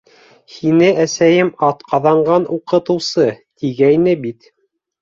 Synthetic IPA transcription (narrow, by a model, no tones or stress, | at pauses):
hinɘæsæjɘmɑt̪qʰɑðɑɴɢɑnʔuqɤ̆t̪ɤ̆wsɤt̪iɡæjnɘbit̪